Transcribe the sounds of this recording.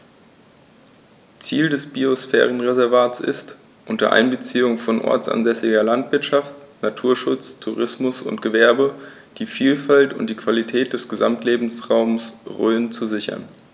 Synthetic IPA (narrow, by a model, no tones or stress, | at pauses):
t͡siːldɛsb̥iosfɛ̰ːʁ̞ənʁezɛɐvaːsɪ̰st | ʔʊntɐ̰ʔa̰ɪnbət͡siːʊŋfɔnʔɔ̰ɐt͡sʔa̰nzɛsɪɡɐlantv̥ɪɐtʃaft | natʰuːɐʃʊt͡stʰuʁɪsmʊsʊ̰ntɡ̥əvɛɐbə | d̥iːfiːlfaltʊntd̥iːkv̥alitʰɛːt̚d̥ɛsɡ̥əza̰mtleːbm̩sʁaʊmsʁø̰ːənt͡suzɪçɐ̰n